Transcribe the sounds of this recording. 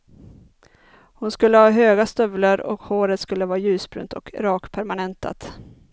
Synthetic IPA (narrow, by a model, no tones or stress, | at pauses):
hʊnskɵlːəhɑːɦøːɡast̪œvlaɾɔ̰khoːɾət̪skɵlːəvɑːɾajʉ̟ːsbɾʉ̰ːnt̪ʰɔ̰kɾɑːkpʰæɾmanɛnt̪ʰa̰t̪